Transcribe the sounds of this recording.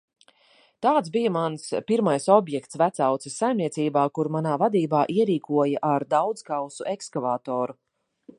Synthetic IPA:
t̪aːt̪sbijamanspiɾmajsɔbjɛkt̪svæt̪sawt̪sisːajmnʲiɛsiːbaːkuɾmanaːvad̪iːbaːʔiɛɾiːkuɔjaʔaɾd̪awd̪z̥kawsuʔekskavaːt̪ɔːɾu

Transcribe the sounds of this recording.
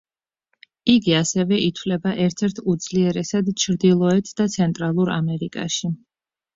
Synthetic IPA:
iɡiasɛvɛʔit̪ʰwlɛbaʔɛɾt̪ʰɛɾt̪ʰud̪zliɛɾɛsad̪t͡ʃʰɾd̪ilˠɔɛt̪ʰd̪at̪sʰɛnt̪ʼɾalˠuɾa̰mɛɾikʼa̰ʃi

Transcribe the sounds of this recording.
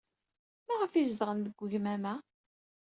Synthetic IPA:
mæʁəfizðʁənd̪əɡʷːʝmæmæ

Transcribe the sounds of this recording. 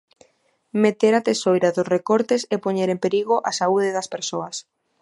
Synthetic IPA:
met̪eɾat̪esojɾɐðʊsrekoɾt̪esepoɲeɾempeɾiɣoʔasauðɪðɐspeɾsoɐs

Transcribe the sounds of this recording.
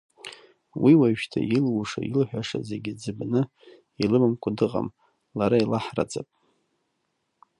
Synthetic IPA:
wiwaʃtʰa̰jilwuʂa̰jilħʷᶣaʂazeɡʲɪd͡zɨbnɨ | ilɨmɨmkʷʼadɨqʼa̰m | laɾailaħra̰d͡zapʼ

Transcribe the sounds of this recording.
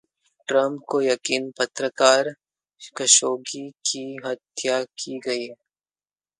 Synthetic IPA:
ʈɾɐ̃mp̚kojɐkiːnpɐt̪ɾəkaːɾ | kɐʃoːɡikiɦɐt̪jakiɡɐiɦɛ

